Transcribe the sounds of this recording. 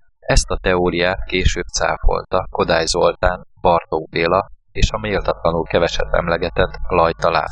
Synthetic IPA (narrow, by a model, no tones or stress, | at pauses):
ɛst̪ɒt̪ɛoːɾijaːt̪keːʃøːb̚t̪sa̰ːfo̞̰lt̪ɒko̞d̪aːjzo̞lt̪aːnb̥ɒrt̪oɡ̚beːlɒ | eːʃɒmeːlt̪ɒt̪lɒnulkɛvɛʃɛ̰t̪ːɛ̰mlɛɡɛt̪ɛt̪lɒjt̪ɒla̰ːn